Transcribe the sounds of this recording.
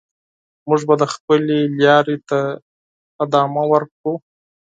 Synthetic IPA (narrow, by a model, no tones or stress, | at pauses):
muʐbad̪əxpəleljɑɾet̪a | ɪd̪ɑmawəɾkɽu